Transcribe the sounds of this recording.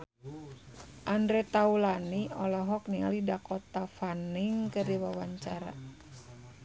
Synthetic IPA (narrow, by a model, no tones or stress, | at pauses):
ʔandɾɛt̪aulaniɔlɔɦɔk̚niŋa̰lidakɔt̪afaniŋkədiwawaɲt͡ʃaɾa̰